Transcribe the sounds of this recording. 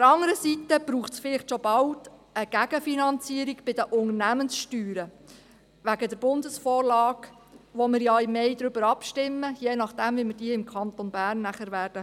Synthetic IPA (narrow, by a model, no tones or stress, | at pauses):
ftəɾɑŋəɾəsitəb̥ɾuːχtsfɪlɪχtʃɔbɑldəɡ̥æɡ̥əfinɑnt͡siːɾiɡb̥ɪd̥əʔʊŋənæmənsʃtyːɾə | ʋæɡədəɾb̥ʊndəsfɔːrlɑːɡ | ʋomɪɾjɑɪmeɪd̥̪ɾʏbəɾɑpʃtɪmːəjeːnɑχd̥æmʋimɪrd̥iːəɪmkʰɑnt̪onbæːɾnːæχəɾʋæːɾd̥ə